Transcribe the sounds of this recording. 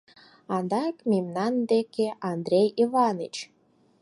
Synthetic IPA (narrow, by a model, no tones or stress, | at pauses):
ɑnd̪ɑkmʲimnɑnd̪ekeʔɑnd̪ɾʲejivɑnḭt͡ɕ